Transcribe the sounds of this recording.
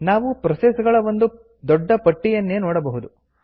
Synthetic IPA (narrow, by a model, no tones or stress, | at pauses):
naːʋupɾɐsesɡɐɭɐʋond̪u | d̪ɔɖːɐpɐʈːijɐnːeːnoːɽɐbɐɦud̪u